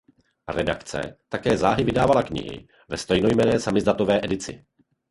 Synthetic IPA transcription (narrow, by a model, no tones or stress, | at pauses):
rɛda̰kt͡sɛ̰t̪akɛːzaːɦɪvɪdaːvalakɲɪ̰ɦɪ̰ | vɛst̪ɛjnojmɛnɛːsamɪzd̪at̪ovɛːʔɛdɪt͡sɪ̰